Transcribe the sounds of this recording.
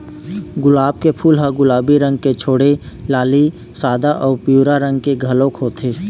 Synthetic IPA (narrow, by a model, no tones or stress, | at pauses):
ɡʊlaːb̚kepʰuːlɦaɡʊlaːbiɾə̃ŋɡket͡ʃʰoːɽelaːli | saːd̪aʔɔːɾpjuːɾaɾə̃ŋɡkeɡʱɐlõkɦoːt̪ʰeː